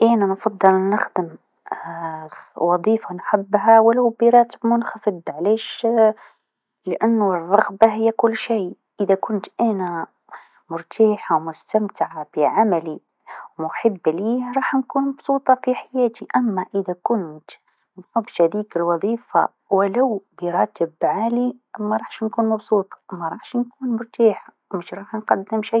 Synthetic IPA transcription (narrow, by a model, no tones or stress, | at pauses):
ʔaːnanfɑd̪ˤːɨlnːɪxd̪əm | wɑðˤiːfanħabːɦawɪlawbiɾˤɑːt̪əbmʊnxafɨd̪ˤʕleːʃ | lɪʔɪnːʊrˤːɑɣbaɦɪjːakʊlːʃij | ʔəðakʊnt̪ʔæːna | mʊɾt̪ʰɑːħawmʊst̪amt̪ɪʕab̥iʕamæli | wmʊħəbːliːhɾˤɑːħnkuːnmɑbsˤuːt̪ˤɑfiħajæːt̪iʔæmːaʔəðækʊnt̪ | mħʊbt̪hæd̪iːkəlwɑðˤiːfa̰ | wəlawbiɾˤɑːt̪əbʕalimæɾˤɑħʃnkuːnmɑbsˤuːt̪ˤmæɾˤɑħʃnkuːnmʊɾt̪aːħa | məʃɾˤɑːħnqɑd̪ːɪmʃij